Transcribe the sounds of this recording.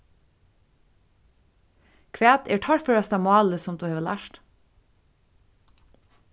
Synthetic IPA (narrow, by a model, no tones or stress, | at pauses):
kʰʋæːt̪ʰeːʈʰɑɾfœɾɑst̪ɑmɑːləsɔmd̪ʉːheːʋəlæ̰ːʃʈ